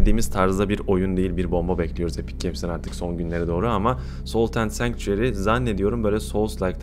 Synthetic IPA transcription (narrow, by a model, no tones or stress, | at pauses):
d̪iːmiz̥t̪ʰaɾzd̪abiɾo̞jund̪e̞jilʲbiɾbo̞mbabɛclʲijo̞ɾuzepʰi̥c̚ʰːepsinaɾt̪ʰɯ̥kso̞nɟynlʲe̞ɾɛd̪o̞ːɾuama | so̞lˠt̪ʰænt̪sæŋkt͡ʃyeɾizanːe̞d̪ijo̞ɾumbølʲɛso̞lˠslʲˠajkt̪ʰ